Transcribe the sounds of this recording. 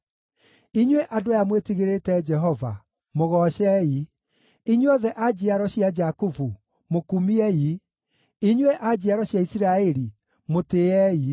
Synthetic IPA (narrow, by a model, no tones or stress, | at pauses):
iɲweʔadojamwetiɣeɾetɛd͡ʒɛɦɔva̰ | moɣɔɕɛi | iɲwɔðɛʔad͡ʑeaɾɔɕiad͡ʒakufu | mokumiɛi | iɲweʔad͡ʑiaɾɔɕjaisiɾaɛɾi | moteɛi